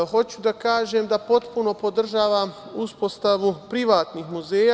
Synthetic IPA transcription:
xo̞t͡ɕud̪akaːʒemd̪apo̞t̪puno̞po̞d̪r̩ʒaːʋamuspo̞st̪aʋupɾiʋaːt̪niːxmuzeːja

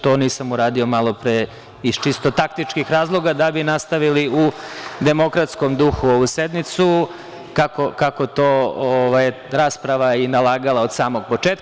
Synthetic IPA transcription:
t̪o̞ːniːsamuɾaːd̪io̞malˠo̞pɾe | ist͡ʃist̪o̞t̪ak̚t̪it͡ʂkixɾaːzlˠo̞ɡad̪abinast̪aʋiliud̪e̞mo̞kɾat̪sko̞md̪uxuoʋused̪mit̪su | kako̞kako̞t̪oːoʋaj | ɾaːspɾaʋainalaːɡalˠaod̪saːmo̞ɡ̚po̞t͡ʂeːt̪̚k

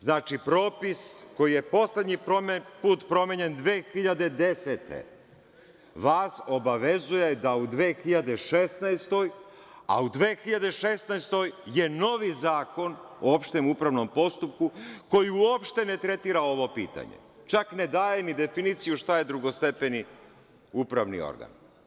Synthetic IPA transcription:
znaːt͡ʃipɾo̞ːpiskojije̞po̞sle̞d̪ɲipuːt̪pɾo̞meɲe̞nd̪ʋeːxiʎad̪e̞d̪e̞set̪ḛ | ʋaːso̞baʋe̞zuje̞d̪aud̪ʋe̞ːxiʎad̪e̞ʃesnajst̪o̞j | a̰ud̪ʋeːxiʎad̪e̞ʃesnajst̪o̞jje̞no̞ʋizaːko̞n | o̰opʃt̪emupɾaʋno̞mpo̞st̪up̚kuko̞jiuopʃt̪e̞ne̞t̪ɾe̞t̪iːɾao̞ʋo̞pḭːt̪a̰ɲḛt͡ʃakne̞d̪aːjenid̪e̞finit̪sijuʃt̪aje̞d̪ɾuɡo̞st̪e̞pe̞ni | upɾaʋnḭo̞̰ɾɡa̰n

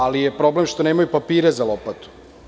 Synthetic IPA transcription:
alijepɾo̞blemʃt̪o̞neːmajupapiːɾezalopat̪u̥

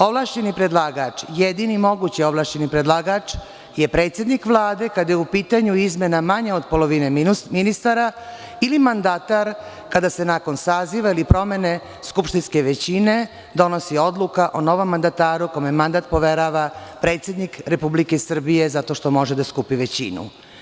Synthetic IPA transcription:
o̞ʋlaʃt͡ɕe̞nipɾed̪lˠaːɡat͡ʂjed̪inimo̞ɡut͡ɕio̞ʋlˠaːʃt͡ɕenipɾed̪lˠaɡat͡ʂ | je̞pɾet̪sje̞d̪nikʋlˠaːd̪e̞kad̪ajeupiːt̪aɲuizmje̞namaɲeod̪po̞lo̞ʋine̞mminist̪aɾa | ilimand̪at̪aɾ | kad̪ase̞nako̞nsaːziʋailipɾo̞mene̞ | skupʃt̪inske̞ʋet͡ɕine̞ | d̪o̞no̞sio̞d̪lˠukaʔono̞ʋo̞mːand̪at̪aːɾukomemand̪at̪̚po̞ʋe̞ɾaʋapɾe̞ːt̪sje̞d̪nikɾe̞publike̞sr̩bije̞zat̪o̞ʃt̪o̞mo̞ʒed̪askupiʋe̞t͡ɕḭnṵ

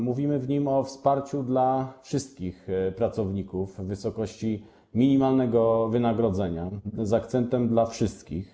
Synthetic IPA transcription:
muvʲimɘvɲimɔfspaɾt͡ɕud̪lafʂɘst̪̚kʲixpɾat̪sɔvɲikuvːɘsɔkɔɕt͡ɕi | mʲiɲimalnɛɡɔvɘnaɡɾɔd̪zɛɲazakt̪sɛnt̪ɛmd̪lafʂɘst̪kʲḭx

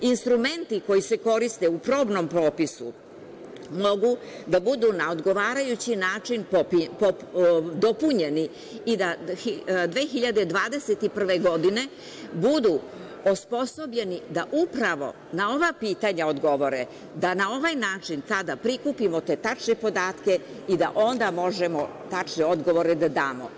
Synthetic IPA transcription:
inst̪ɾume̞nt̪iko̞jise̞ko̞ɾist̪eupɾo̞ːbno̞mpɾo̞ːpisṵ | mo̞ɡud̪abud̪unaod̪ɡo̞ʋaːɾajut͡ɕinaːt͡ʃinpopipod̪opuɲe̞ni | id̪aid̪ʋe̞ːxiʎad̪ed̪ʋaːd̪e̞se̞t̪ipr̩ʋe̞ɡo̞d̪ine̞ | bud̪u | ospo̞so̞bʎe̞nid̪aʔupɾaʋo̞̰ | nao̞ʋapiːt̪aɲaod̪ɡo̞ʋo̞ɾe | d̪anao̞ʋajnaːt͡ʂint̪ad̪apɾikupimot̪e̞ːt̪at͡ʃnepo̞d̪aːt̪ke̞ | id̪a̰ʔo̞nd̪amo̞ʒemot̪at͡ʃneo̞d̪ɡo̞ʋo̞ɾɛd̪ad̪aːmo̰

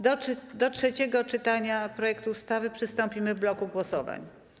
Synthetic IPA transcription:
d̪ɔd̪ɔtʂɛt͡ɕɛɡɔt͡ʂɘt̪aɲapɾɔjɛkt̪uːst̪avɘpʂɘst̪ɔmpʲimɘvblɔkuɡwɔsɔva̰ɲ

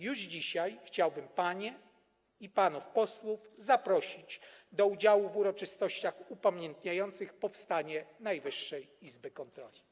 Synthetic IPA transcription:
juʐd͡ʑiɕajxt͡ɕawbɘmpaɲɛ | ipanufpɔswuvzapɾɔɕid͡ʑd̪ɔud͡ʑawuvuɾɔt͡ʂɘst̪ɔɕt͡ɕaxupamʲjɛnt̪ɲajɔnt̪sɘxpɔfst̪aɲɛnajvɘʂːɛjizbɘkɔnt̪ɾɔlʲi

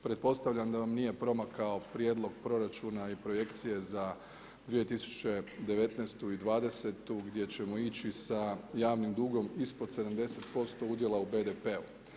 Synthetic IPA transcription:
pɾe̞t̪̚po̞st̪aʋʎamd̪aʋamnije̞pɾo̞makao̞pɾje̞d̪lˠo̞ɡpɾo̞ɾat͡ʃunaipɾo̞je̞kt̪sije̞za | d̪ʋije̞t̪isu̥t͡ʃe̞d̪e̞ʋe̞t̪neːst̪uid̪ʋaːd̪e̞se̞t̪uɡd̪je̞t͡ɕe̞mo̞it͡ɕisajaːʋnimd̪uɡo̞mispod̪se̞d̪amd̪e̞se̞t̪po̞st̪o̞ud̪je̞lˠaube̞d̪epe̞u

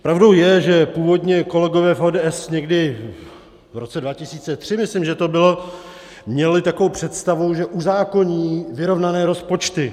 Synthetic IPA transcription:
pɾʔavdo̞wjɛʒɛpuːvo̞dɲɛko̞lɛɡo̞vɛːfoːdɛːʔɛsɲɛɡdɪ | vɾo̞t͡sɛdvacɪsiːt͡sɛt̪r̝̥ɪmɪslɪmʒɛt̪o̞bɪlo̞ | mɲɛlɪt̪akovowpr̝̥ɛt̪st̪avo̞wʒɛʔuzaːko̞ɲiːvɪɾo̞vnanɛːɾo̞spo̞t͡ʃt̪ɪ

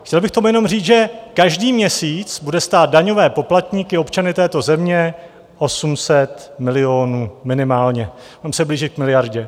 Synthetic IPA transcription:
xcɛlbɪxkt̪omujɛno̞mriːt͡sʒɛkaʒdiːmɲɛsiːt͡sbudɛst̪aːt̪̚daɲo̞vɛːpo̞plat̪ɲikɪo̞pt͡ʃanɪt̪ɛːt̪o̞zɛmɲɛ | ʔo̞sumsɛt̪mɪlɪoːnuːmɪnɪmaːlɲɛ | onɛmsɛbliːʒɪt̪̚k̚mɪlɪjaɾɟɛ

